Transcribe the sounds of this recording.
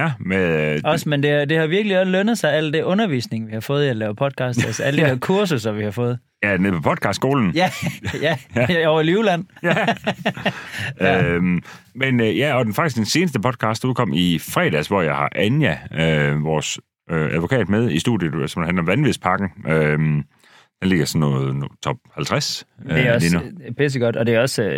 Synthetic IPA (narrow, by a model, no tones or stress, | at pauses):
æmeðˠɒ̽smend̥e̝d̥e̝hɑ̈ʋiɐɡ̥əliɒslønəð̞̩ˠsɑ̈ɪæl̰d̥e̝ʔɔ̽nɐʋḭːsne̝ŋəʋihɑ̈fɔ̽ːð̞̩ˠielɛɐpʰɒ̽d̥̚kʰɑ̈ːsdælsəæləd̥ideɐkʰuɐs̬usɐʋihɑ̈fɔ̽ːð̩ˠ | jænpʰɒpʰɒ̽d̥̚ˠkʰɑ̈ːsd̥sɡ̥o̝̰ːln̩jæjæɒʊɐlulæn̰jæ | øm | menjæɒ̽d̥enfɑ̈ɡ̥isɡ̥d̥ense̝ːnəsd̥əpʰɒ̽d̥̚kʰɑ̈sd̥uðˠkʰɒ̽m̰ifʁɛ̰ːd̥æsʋɒjɑ̈ɪhɑ̈ʔænjæøʋɒːs | øʔæðˠʋo̝kʰɛ̰ːd̥með̞ˠisd̥ṵːdˠjəsɒmd̥hændlɒ̽mʋænʋespʰɑ̈ɡ̥n̩ʔøm | d̥enle̝ɡ̥ɐsɒnːɔːð̩ˠnot͡sʰɒ̽b̥̚hælt͡sʰʁaselenɐpʰes̬əɡ̥ɒd̥ɒd̥e̝æɒ̽sø